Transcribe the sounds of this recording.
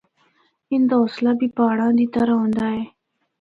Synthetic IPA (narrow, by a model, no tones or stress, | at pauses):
ind̪aoslabipaːɽãnd̪it̪aɾaõnd̪ae